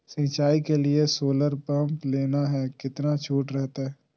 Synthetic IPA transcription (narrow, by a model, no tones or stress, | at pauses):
sɪ̃ːt͡ʃaːikeliesoːləɾpɐ̃mpleːnaɦɛːkɪt̪nat͡ʃʰuːʈɾɛɦt̪aɦɛː